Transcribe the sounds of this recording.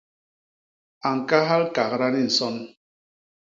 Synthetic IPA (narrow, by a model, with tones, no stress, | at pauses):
a˨ŋ̩˨ka˦ɦa˦lka˨ɣɾa˦ni˦n̩˨sɔ˦n